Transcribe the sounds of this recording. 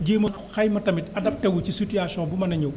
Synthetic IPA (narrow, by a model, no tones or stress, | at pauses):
ɟeːmɐ | xɐjmɐtɐmitɐdɐp̚tɛwut͡ʃisutijaːsɔːbumɐnɐɲɐw